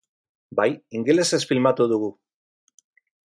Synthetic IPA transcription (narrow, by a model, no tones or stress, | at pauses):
bajiŋɡe̞le̞se̞sfilmat̪uðuɣu